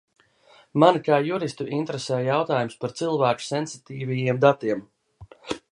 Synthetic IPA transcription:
mankaːjuɾist̪uʔint̪ɾesɛːjjawt̪aːjumspaɾt̪silˠvæːku̥sensit̪iːvʲijiɛmd̪at̪iɛm

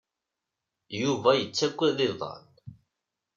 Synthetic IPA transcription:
juvæjət͡sːækʷːiðiðˤɑ̰n

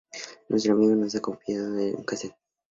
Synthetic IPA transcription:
nwes̬t̪ɾoamiɣonos̬akoɱfjaðoḛkaset̪

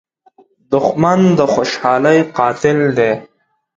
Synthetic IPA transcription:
d̪ʊxmand̪əxoːʃɑːləjqɑːt̪ɪld̪e

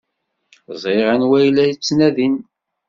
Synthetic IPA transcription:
zˤeʁænwæjlæjt͡sːnæðin

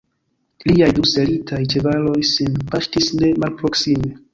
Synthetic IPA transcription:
liajduse̞litʰajt͡ʃevalo̞jsinpaʃtisne̞malpɾo̞ksime̞

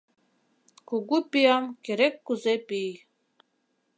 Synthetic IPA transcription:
kuɡupijamkeɾekːuzepij

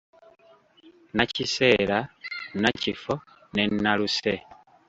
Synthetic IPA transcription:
naciseːlanacifo | ne̞naluse

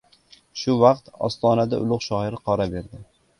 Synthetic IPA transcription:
ʃʊvɑqt̪ɒ̰st̪ɒnad̪aʔʊlˠʊqʃɒhɪɾɪqʰɒɾabe̞ɾd̪ɪ

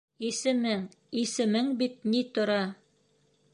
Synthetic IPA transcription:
isɘ̆mɘŋ | isɘ̆mɘŋbit̪̚nit̪ŏɾɑ

